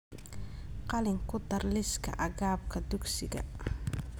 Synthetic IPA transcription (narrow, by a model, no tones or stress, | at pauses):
qɑlɪŋkʰʊd̪ɐrlɪskʰɐ̰ʔɐɣaːb̚kʰɐd̪ʊɡsɪɣɐ̰